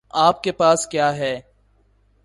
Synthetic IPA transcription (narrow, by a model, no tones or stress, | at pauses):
aːp̚kepaːskjaːɦɛː